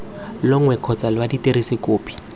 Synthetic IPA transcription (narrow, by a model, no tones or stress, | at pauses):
lʊŋwɛkʰɔt͡salwaditeɾisɪkoːpʰʼi̥